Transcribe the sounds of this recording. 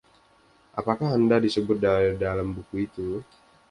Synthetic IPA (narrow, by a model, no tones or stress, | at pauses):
ʔa̰pakahandadisəbʊt̪̚dadalambukuit̪u